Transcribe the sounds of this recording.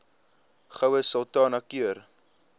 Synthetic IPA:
χəwəsəlˠtɑːnɐkyər

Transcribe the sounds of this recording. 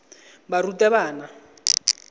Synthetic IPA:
barutɛβaːna

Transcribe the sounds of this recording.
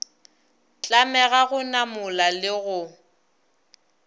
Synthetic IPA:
t͡ɬʼamɛɣaɣʊnamʊlalɪɣʊ

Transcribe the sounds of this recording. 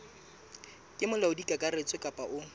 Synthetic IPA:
kʼɪmʊlaʊdikʼakʼaret͡sʼɔkʼapʼaʔʊ

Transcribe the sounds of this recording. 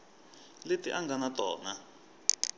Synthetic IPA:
letḭʔaŋɡanatʼɔ̰ːna

